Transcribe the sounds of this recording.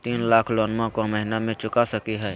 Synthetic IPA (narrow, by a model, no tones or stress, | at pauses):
t̪iːnlaːkʰloːnmãkoməɦɪnamẽt͡ʃʊkasəkiɦɛː